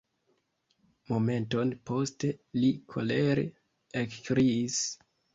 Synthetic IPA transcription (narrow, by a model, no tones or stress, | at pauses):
mo̞me̞nto̞npo̞ste̞likʰo̰leɾe | ekkɾiːs